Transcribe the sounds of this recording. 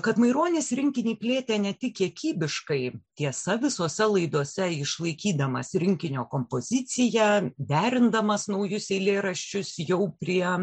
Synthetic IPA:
kɐt̪mɐɪɾoːnʲeːsɾʲɪŋʲkʲɪnʲiːpʲlʲeːt̪ʲeːnʲɛt̪ʲɪkkʲiɛkʲiːbʲɪʃkɐɪt̪ʲiɛsɐʋʲɪsoːsʲɛlˠɐɪd̪oɔsʲɛɪʃlˠɐɪkʲiːd̪ɐmɐ̰sɾʲɪŋʲkʲɪnʲoːkoːmpoːzʲɪt͡ssʲɪjɛd̪ʲæːɾʲɪnd̪ɐmɐsnɐʊjʊsɛɪlʲeːɾɐʃʲt͡ʃʲʊsjɛʊpʲɾʲiɛ

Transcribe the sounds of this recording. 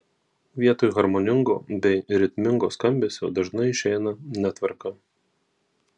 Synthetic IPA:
ʋʲiɛt̪oːjɣɐɾmɔnʲɪŋɡo̰ːbʲɛɪɾʲɪt̪ʲmʲɪŋɡoːskɐmʲbʲeːsʲjoʊd̪ɐʒnɐɪɪʃʲɛɪnɐnʲɛt̪ʋɐɾkɐ

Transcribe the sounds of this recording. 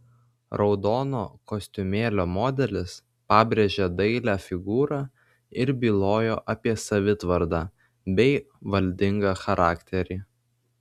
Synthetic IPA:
ɾɒʊd̪oːno̰ːkosʲt̪ʲʊmʲeːlʲoːmoːd̪ʲɛlʲɪs | pɑːbʲɾʲeːʒʲɛd̪ɐɪlʲæːfʲɪɡuːɾɑː | ɪɾbʲiːlˠoːjoːʔɐpʲiɛsɐʋʲɪt̪ʋɐɾd̪ɑː | bʲɛɪ | ʋɐlʲd̪ʲɪŋɡɑxɐɾɑːkt̪ʲɛɾʲiː

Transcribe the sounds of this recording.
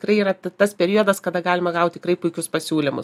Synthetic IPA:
tɪkrɐɪiːrɐt̪t̪ɐspʲɛɾʲiod̪ɐskɐd̪ɐɡɑːlʲɪmɐɡɐʊt̪̚ʲt̪ʲɪkrɐɪpʊɪkʲʊspɐsʲuːlʲɪmʊ̰s

